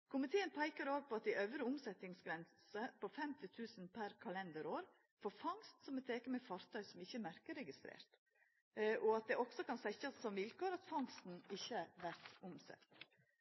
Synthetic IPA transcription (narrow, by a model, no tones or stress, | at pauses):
kʰʊmɪt̪ʰeːənpʰæɪkəɾoːɡ̚pʰɔɑt̪̚d̪ɪʔœʋɾəʊmsɛt̪ɪŋsɡɾɛnsəpʰɔfɛmt̪ɪt̪ʰʉːsənpʰæɾkʰɑlɛnd̪əɾoːɾ | foːɾfɑŋst̪sɔmɛt̪ʰːeːkəmɛfɑɾt̪ʰœʏsɔmɪçːəmæɾkəɾɛɡɪst̪ɾḛːɾt̪ | ʔɔɑt̪̚d̪ɛʔɔksɔkɑnsɛçəsɔmʋɪlkoːɾɑt̪fɑŋst̪n̩ɪçːəʋæɾt̪ʊmsɛ̰t̪ː